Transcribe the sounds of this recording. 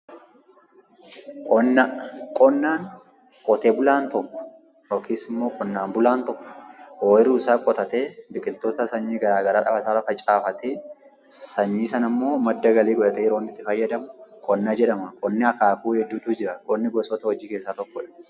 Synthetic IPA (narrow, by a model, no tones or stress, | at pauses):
kʼɔnːɐkʼɔnːaːŋ | kʼɔt̪eːbʊlaːnt̪ɔkːɔ̥ | oːkʰeːsɪmːoːkʼɔnːaːmbʊlaːnt̪ɔkːɔ̥oːʔɪɾuːsaːkʼɔt̪ɐt̪eːbɪkʼɪlt̪oːt̪ɐsɐɲːiːɡɐɾaːɡɐɾaːᶑɐ̰fɐsaːɾɐfɐt͡ʃʼaːfɐt̪eː | sɐɲːiːsɐnɐmːo̞ːmɐd̪ːɐɡɐliːɡɔᶑɐt̪ɛjɛɾoːnːɪt̪ːɪfɐjːɐd̪ɐmʊkʼɔnːad͡ʒɛᶑɐmɐkʼɔnːɪɐkaːkuːhɛd̪ːuːt̪uːd͡ʒɪɾɐkʼɔnːɪɡɔsɔt̪ɐhɔd͡ʒiːke̞ːsːaːt̪ɔkːɔᶑɐ̥